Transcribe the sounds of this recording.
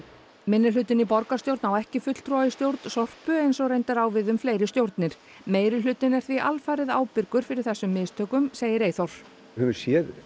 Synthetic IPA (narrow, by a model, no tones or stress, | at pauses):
mɪnːɪlʏt̪ɪnipɔɾkast̪jowɾt̪nawɛhcɪfʏt̪l̥t̪ʰɾɔɪst̪jowɾt̪n̥sɔr̥pʏejnsɔɣrejnt̪aɾawvɪðʏmfleːjɾɪst̪jowɾt̪nɪɾ̥ | meːjɾɪlʏːt̪ɪnɛɾ̥θviʔa̰lfaːɾɪðaːwpɪɾkʏɾ̥fɪɾɪɾ̥θɛsːʏmːɪðst̪ʰœːkʏmseːjɪɾeːjθɔɾ̥ | hœvʏɾ̥sjɛð